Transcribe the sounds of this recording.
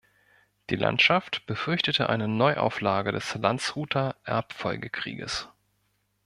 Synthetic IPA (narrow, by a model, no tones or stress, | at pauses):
d̥iːla̰ntʃaftb̥əfʏɐçtətʰəʔa̰ɪnənɔʏʔa̰ʊflaːɡədɛslant͡sʁ̥uːtʰɐʔɛɐpfɔlɡəkʁ̥ḭːɡə̰s